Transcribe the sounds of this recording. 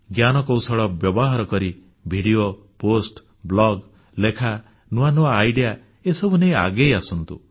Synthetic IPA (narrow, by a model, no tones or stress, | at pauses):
ɡjanɔkɔwsɔɭɔbjɔbɔɦaɾɔkɔɾi | bʱiɽijo | posʈ | blɔɡ | lekʰa | nuanuaːjɖija | esɔbuneja̰ɡejasɔnt̪ṵ